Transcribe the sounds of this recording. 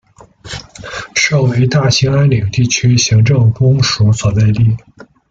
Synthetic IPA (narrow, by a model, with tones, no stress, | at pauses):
ʂo˥˩ʊwe˧˥ɪt̪a˥˩ɕi˧˥ŋa˥nli˨˩ŋt̪i˥˩t͡ɕʰy˥ɕi˧˥ŋʈ͡ʂɤ˥˩ŋkʊ˥ŋʂu˧˥swɔ˨˩t͡sa˥˧ɪli˥˩